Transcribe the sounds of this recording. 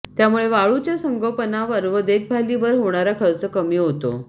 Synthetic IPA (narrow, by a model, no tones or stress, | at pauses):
t̪jamuɭeʋaɭut͡ɕjasəŋɡəɭpənaʋəɾʋəd̪et̪̚bʱaliʋəɾɦoɳ̃aɾakʰəɭt͡səkəmiːɦot̪o̰